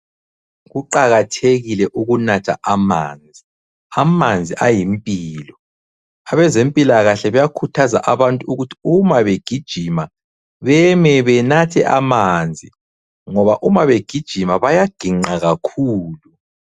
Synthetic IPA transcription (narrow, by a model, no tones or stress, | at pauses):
ɣuǃaɣatʰeɣilɛʔuɣunatʰa̰ʔama̰ːnd͡zʱi | amand͡zʱiʔajimpʼiːlɔ | aβɛzempʼilaɣaɬɛβɛjakʰutʰaza̰ʔaβantʼuuɣutʰi̥umaβeɡ̥ʱid̥ʒ̥ʱima | βɛmɛβɛnatʰɛʔamand͡zʱi | ŋɔβaʔumaβeɡ̥ʱid̥ʒ̥ʱimaβajaɡ̥ʱiŋ͡ǃaɣakʰuːlu